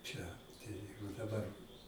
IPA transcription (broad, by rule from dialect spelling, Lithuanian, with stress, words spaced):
t͡ʃʲɛ tɐɪ ˈjɛɪɡʊ dɐˈbɐr